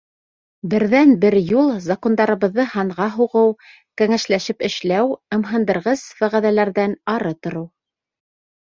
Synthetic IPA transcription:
bɘ̆ɾðænbɘɾjulˠzakond̪ɑɾɤ̆βɤ̆ðːɤhɑɴʁɑɦuʁɤw | kæŋæʃlæʃɘpɘ̆ʃlæwɤ̆mɦɤ̆nd̪ɤ̆ɾʁɤz̥fæʁæðælæɾðænɑɾɤt̪ŏɾɤw

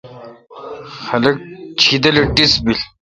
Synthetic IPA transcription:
xɐlɐk̚t͡ɕʰid̪ɐlɐʈisbil

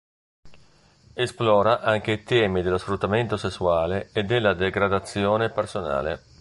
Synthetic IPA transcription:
esplɔːɾaʔaŋk̟eit̪ɛːmid̪elosfɾut̪ːament̪osesːuaːleːd̪ːelːad̪eɡɾad̪at̪sːjɔːnepersona̰ːlḛ

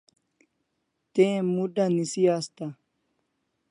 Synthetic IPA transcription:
t̪eːmuɖɐnisijast̪ɐ

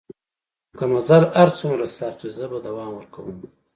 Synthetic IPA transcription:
kamazaɾaɾt͡sumɾasɑt̪izəbad̪awɑːmwəɾkawəm

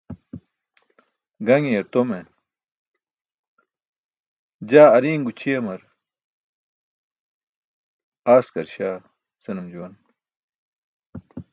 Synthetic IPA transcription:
ɡɐŋieɾt̪ome | d͡ʑaːɐɾiːŋɡut͡ɕʰiɐmɐɾ | aːskɐɾɕaː | sɐnɐmd͡ʑuwɐn

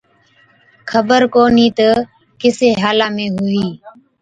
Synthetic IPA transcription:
kʰəbəɾkoːniːt̪ə | kɪseːɦaːlaːmẽːɦʊiː

